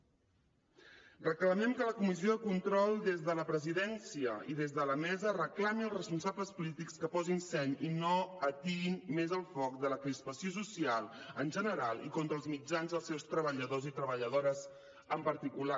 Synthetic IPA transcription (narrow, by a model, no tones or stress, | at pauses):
rəkləmɛmkələkumizioðəkunt̪ɾɔlˠd̪ezðələpɾəziðɛnsiəḭðezðələmɛzərəklamilˠsrəspunsabləspulit̪ikskəpɔzinsɛɲinoət̪iinmezəlˠfɔk̚d̪ələkɾispəsios̬usialˠənʲʒənəɾalˠḭkont̪ɾəlˠzmid͡ʒanzðəlˠsɛwst̪ɾəβəʎəðozit̪ɾəβəʎəðoɾəz | əmpəɾt̪ikula